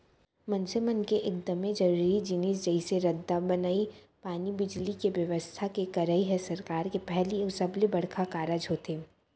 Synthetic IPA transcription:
mɐ̃nsemənkeʔeːk̚d̪ɐmẽd͡ʒɐɾuɾid͡ʒɪniːsd͡ʒɐiseɾɐd̪ːabɐnaːi | paːnibɪd͡ʒlikeʋjɐʋəst̪ʰakekɐɾaiɦɛ̃sɐɾkaːɾkepɛɦliʊsəblebɐɽ̤kʰakaːɾad͡ʒɦoːt̪ʰeː

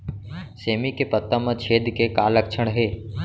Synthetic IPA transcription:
seːmikepət̪ːãmãt͡ʃʰeːd̪kekaːləkt͡ʃʰəɽ̃ɦeː

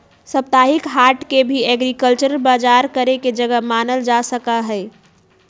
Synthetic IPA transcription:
səp̚t̪aɦikɦaɾʈkebʱiɛɡɾikəlt͡ʃəɾəlbad͡ʒaɾkəɾeked͡ʒəɡəmanəld͡ʒasəkaɦɛɪ

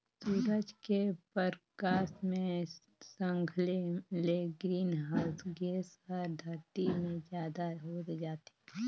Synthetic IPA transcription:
suːɾəd͡ʒkepəɾkaːsmẽ | sə̃ŋɡʱleleɡɾiːnɦasɡeːsɔːɾd̪ʱəɾt̪imẽd͡ʒjaːd̪aɦoːt̪d͡ʒaːt̪e

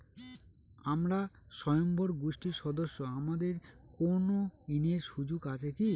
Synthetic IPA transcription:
amɾa | ʃɔjomboɾɡuʃʈiɾʃɔd̪oʃːoamad̪eɾkonoineɾʃud͡ʑuɡat͡ɕʰeki

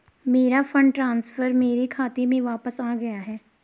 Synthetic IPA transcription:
meːɾafʰə̃ɳɖʈɾãːnsfəɾmeːɾikʰaːt̪emẽʋaːpəsaːɡɐjaɦɛː

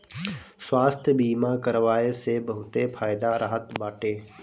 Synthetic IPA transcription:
swaːst̪ʰjəbiːmakəɾʋaːesebəɦʊt̪epʰaːjd̪aɾʔaɦət̪baːʈeː

